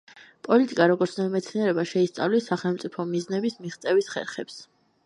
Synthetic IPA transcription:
pʼɔlit̪ʼikʼaɾɔɡɔɾt̪sʰnaimɛt̪sʰniɛɾɛbaʃɛist̪sʼa̰vlisaχɛlˠmt̪sʼipʰɔmiznɛbismiʁt̪sʼɛvisχɛ̰ɾχɛps

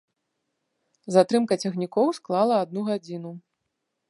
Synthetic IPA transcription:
zat̪ɾɨmkɐt͡sʲɛxnʲikɔwsklˠalˠɐad̪nuɣad͡zʲinu

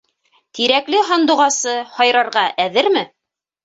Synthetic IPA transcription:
t̪iɾæklɘɦɑnd̪ŭʁɑsɤhɑjɾɑɾʁɑʔæðɘɾmɘ

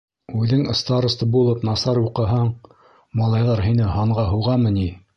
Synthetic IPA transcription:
ʉðɘŋŏst̪ɑɾŏst̪ɤbulˠɤpnɑsɑɾuqɤ̆ɦɑɴ | mɑlˠɑjðɑɾɦinɘhɑɴʁɑɦuwʁɑmɤ̆ni

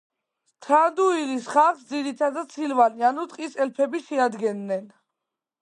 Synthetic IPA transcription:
t̪ʰɾand̪uiɾisχaχsd̪ziɾit̪ʰad̪asʰilvalianut̪ʼqʼisɛlpʰɛbiʃɛad̪ɡɛnːɛn

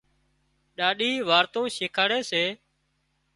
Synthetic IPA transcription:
ɗaːɗiːʋaːɾt̪õːʃɪːkʰaːɽeːseː

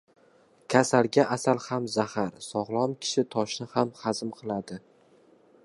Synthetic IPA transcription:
kʲʰasalɡʲaʔasalhamzahaɾsɒʁlˠɒmkʲʰɪ̥ʃɪt̪ʰɒʃnɪhamhazɪmqʰɨlˠad̪ɪ

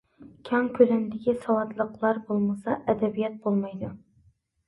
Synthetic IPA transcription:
kʲʰɑŋkʲʰølɛnd̪ɪkʲisɑwɑt̪lˠəqlˠɑɾbolˠmɨsɑʔɛd̪ɛbijɛt̪̚bolˠmɑjd̪u

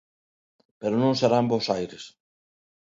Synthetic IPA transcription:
peɾonõŋseɾambosajɾes

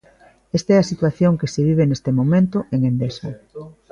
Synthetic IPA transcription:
est̪aɛɐsit̪waθjoŋkeseβ̞iβenest̪emomẽnt̪ʊʔeŋẽnd̪esɐ

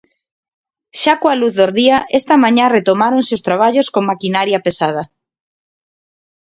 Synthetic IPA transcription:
ʃakoaluθðoɾðiaʔɛst̪ɐmãɲãret̪omaɾonseost̪ɾaβ̞aʎoskoŋmakinaɾjapesað̞ɐ

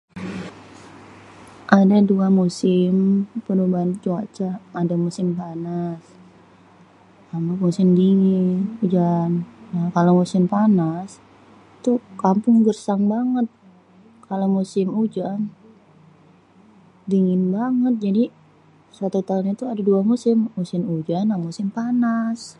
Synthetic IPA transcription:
ʔadaduamusɪmpənubaɦant͡ʃuat͡ʃaːdamusɪmpanas | amamusɪmdiŋɪnud͡ʒanjakalomusɪmpanas | t̪ukampʊŋɡərsaŋbaŋət̪̚ | kalomusɪmud͡ʒan | diŋɪnbaŋət̪̚d͡ʒadi | sat̪ut̪aʊnɲat̪uadaduamusɪmːusɪmud͡ʒanamusɪmpanas

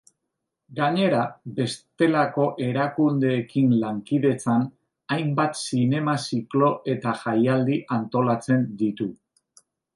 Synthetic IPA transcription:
ɡaɲe̞ɾabe̞st̪e̞lako̞ʔe̞ɾakund̪e̞ːkinlaŋkið̞e̞t͡san | ajmbat̪sine̞masiklo̞ʔe̞t̪aʝajald̪iʔant̪o̞lat͡se̞nd̪it̪u

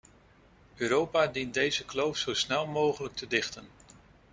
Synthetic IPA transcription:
øːɾowpaːdint̚dejzəklowfsowsnɛlˠmowχələk̚tʰədɪχtən

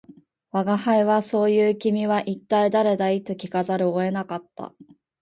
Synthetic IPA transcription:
βaɡahaiβaso̞ːjɯ̟ːkʲimʲiβaʔit̪ːaid̪aɾe̞d̪ait̪o̞kʲikazaɾɯ̟oe̞nakat̪ːa̰

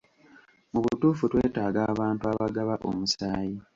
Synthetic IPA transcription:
muβutuːfutwe̞ːtaːɡaːβaːntuaβaɡaβaʔo̰musaːji

